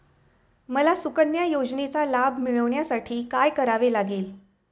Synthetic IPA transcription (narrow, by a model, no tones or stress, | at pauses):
məlasukənjajod͡znet͡salabʱmiɭəʋɳjasaʈʰiːkajkəɾaʋelaɡiːl